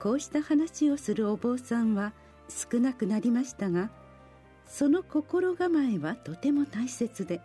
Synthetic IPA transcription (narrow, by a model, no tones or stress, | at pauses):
ko̞ːɕi̥t̪ahanaɕio̞sɨɾɯ̟o̞bo̞ːsãɰ̃βa | sɨ̥kɯ̟nakɯ̟naɾʲimaɕi̥t̪aɡa | so̞no̞ko̞ko̞ɾo̞ɡamaeβat̪o̞t̪e̞mo̞t̪aise̞t͡sɨd̪e̞